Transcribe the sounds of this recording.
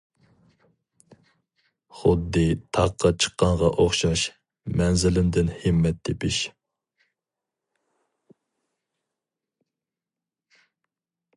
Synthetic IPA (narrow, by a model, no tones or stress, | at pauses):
χʊd̪ːɨt̪ʰɑqʰːɑt͡ʃʰə̥qːɑɴʁɑʔoχʃɑʃ | mɛnzɪlɪmd̪ɪnhɪmːɛt̪̚d̪epʰɪʃ